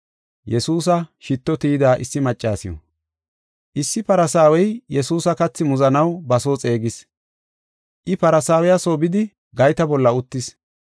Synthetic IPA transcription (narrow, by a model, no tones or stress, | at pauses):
jɛsuːs̬ɐʃɪt̪ːɔt̪iːd̪aːʔɪsːɪmɐt͡ʃʼːaːsɪjɔ̰ | ʔɪsːɪpɐɾɐsaːwɛjjɛsuːsɐkɐt͡sːɪmʊzɐnɐwbɐso̞ːt͡sʼe̞ːɡɪs | ʔɪpɐɾɐsaːwɛjasoːbɪd̪ɪ | ɡɐjt̪ɐbɔlːɐʊt̪ːɪs